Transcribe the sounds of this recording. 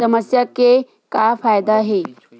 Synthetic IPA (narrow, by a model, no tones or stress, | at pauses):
əməsjake | kafajd̪aːɦe